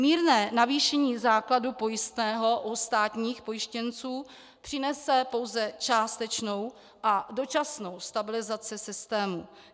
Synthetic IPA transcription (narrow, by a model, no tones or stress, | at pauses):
miːɾnɛːnaviːʃɛɲiːzaːkladupo̞jɪst̪nɛːɦo̞ʔust̪aːt̪ɲiːxpo̞jɪʃcɛnt͡suː | pr̥ɪnɛsɛpo̞wzɛt͡ʃaːst̪ɛt͡ʃno̞w | ʔado̞t͡ʃasno̞wst̪abɪlɪzat͡sɪsɪst̪ɛːmṵ